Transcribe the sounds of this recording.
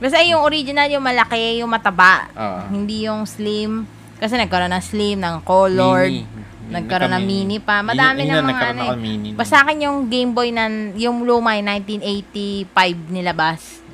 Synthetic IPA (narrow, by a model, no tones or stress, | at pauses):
kɐsɛɐjʊŋoɾid͡ʒɪnɐljʊŋmɐlɐkɛjʊŋmɐt̪ɐbaʔhɪnd̪ijʊŋslim | kɐs̬ɛnɐɡ̚kɐɾonɐŋslimnɐŋkoːloɹd̚ | nɐɡ̚kɐɾonɐŋmiːnɪpɐmɐd̪aːmɪnɐŋmɐŋaʔɐnobɐsaːkɪnjʊŋɡejmbojnɐjʊŋlomajnajnt̪inʔejt̪ifajb̚nɪlɐbas